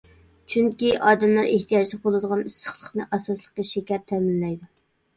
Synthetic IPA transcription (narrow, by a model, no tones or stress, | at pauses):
t͡ʃʰyŋkʲiʔɑːd̪ɛmlˠɑɾeht̪ʰijɑt͡ʃʰlˠɪk̚bolˠɨd̪əʁɑnisːə̥χlˠəχnɨʔɑsɑslˠəqːəʃekʲɛɾt̪ʰɛmɪnlɛjd̪u